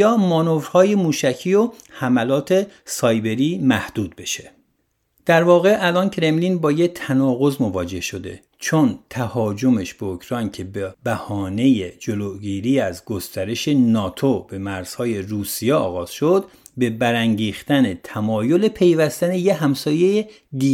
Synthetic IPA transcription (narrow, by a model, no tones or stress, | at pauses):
jɒːmɒno̞vɾhɒːje̞muːʃæcʰiːo̞hæmælɒːt̪ʰe̞sɒːjbe̞ɾiːmæhd̪̥uːd̪̚be̞ʃe̥ | d̪̥æɾvɒːɣe̞ʔælɒːncʰɾe̞mliːnbɒːjet̪ʰænɒːɣo̞zmo̞vɒːd͡ʒe̞hʃo̞d̪e̞̰ | t͡ʃʰo̞nt̪ʰæhɒːd͡ʒo̞meʃbeokʰɾɒjncʰe̞bebæhɒːne̞jed͡ʒoloɡiːɾiːæzɡo̞st̪æɾe̞ʃe̞nɒːt̪ʰobe̞mæɾz̥hɒːje̞ruːsijeɒːɣɒːz̥ʃo̞d̪ | be̞bæɾæŋɟiːxt̪ænet̪ʰæmɒːjole̞pʰe̞jvæst̪æne̞jeɦæmsɒːje̞je | d̪i